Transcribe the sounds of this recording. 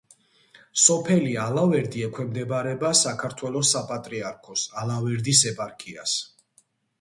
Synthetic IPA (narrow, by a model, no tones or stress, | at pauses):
sɔpʰɛlialavɛɾd̪iɛkʰwɛmd̪ɛbaɾɛbasakʰaɾt̪ʰwɛlɔsapʼat̪ʼɾiaɾkʰɔsalavɛɾd̪isɛpʼaɾkʰʼia̰s